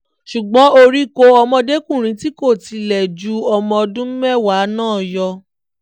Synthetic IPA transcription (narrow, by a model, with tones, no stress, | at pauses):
ʃu˨ɡ͡bɔ̃˨˦o˧ɾi˦ko˧ɔ˧mɔ̃˧de˦kũ˦˨ɾ̃ĩ˨˦ti˦ko˦˨ti˨˧lɛ˨d͡ʒu˧˦ɔ˧mɔ̃˧dũ˦ɛ˦˨wa˨˦nãː˦˨jɔ˧